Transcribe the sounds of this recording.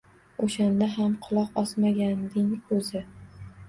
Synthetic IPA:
oʃand̪aɦamqʰʊlˠɒqɒsmaɡʲand̪ɪŋʰɵzɪ

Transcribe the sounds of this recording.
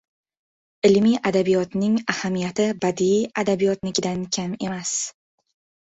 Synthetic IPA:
ɪlmiʔad̪abijɒt̪nɪŋahamijat̪ʰɪbad̪iiad̪abijɒt̪nɪkʲd̪ankʲʰame̞mas

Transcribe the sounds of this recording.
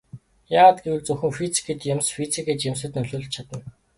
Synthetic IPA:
jaːʁət̪ɡewɘ̆ɮt͡sɵxɘ̆ŋfit͡si̥kʰeːt͡ɕ̪jemsfit͡sʰiket͡ɕjemsɘ̆t̪nɵɮoːɮt͡ɕt͡ɕʰat̪ə̆n

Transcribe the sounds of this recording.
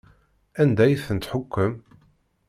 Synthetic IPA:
ænd̪æjθənt̪ħʊkːəm

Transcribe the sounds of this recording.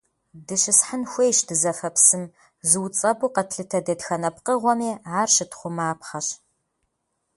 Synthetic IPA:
dɨʃɪsħanxʷejʃdɨzɐfɐpsɨm | zɨwt͡sʼɐbuqɐtʰɬɨtʰɐdɐtxɐnɐpqəʁʷɔmiːʕaːrʃɨtχʷʊmaːpχɐɕ

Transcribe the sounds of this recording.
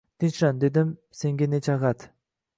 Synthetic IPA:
t̪inʃɾand̪ed̪ɪm | seŋɡʲenet͡ʃaɣat̪

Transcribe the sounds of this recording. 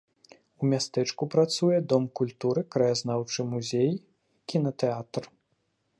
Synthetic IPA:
umʲast̪ɛt͡ʂkupɾat̪sujɛd̪ɔmkulʲt̪uɾɨkɾɐjaznawt͡ʂɨmuzʲej | kʲinɐt̪ɛat̪r

